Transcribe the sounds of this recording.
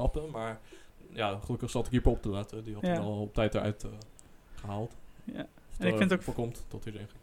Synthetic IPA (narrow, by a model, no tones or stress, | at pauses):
ɑpəmaːɹjaχəlɵkəχsɑtɪkipəɔp̚təlatədiɑtɛlˠɔp̚tɛjtəɹœ̰ɥt | χəɦaːlˠt | fɪntofɔkɔmttɔtidɛχ